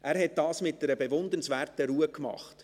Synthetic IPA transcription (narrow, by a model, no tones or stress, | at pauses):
ʔæːɾɦɛt̚dɑːsmɪt̚dɛɾəbɛvʊnd̪ənsvæːɾtəɾuːəkmɑ̰χt